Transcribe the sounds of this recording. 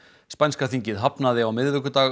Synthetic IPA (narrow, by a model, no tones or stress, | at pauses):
spanskaθiɲcɪðɦapnaðɪawmɪððʏkʏt̪aː